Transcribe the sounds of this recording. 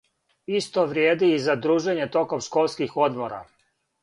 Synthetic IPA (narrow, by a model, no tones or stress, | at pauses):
ist̪o̞ʋɾjeːd̪iːzad̪ɾuːʒe̞ɲet̪o̞ko̞mʃko̞lˠskixo̞d̪mo̞ɾa̰